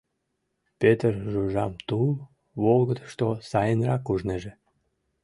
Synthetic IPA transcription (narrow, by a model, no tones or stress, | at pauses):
pet̪ərʒuʒɑmt̪um | βolɣəd̪ʃt̪osɑjənrɑkuʒneʒe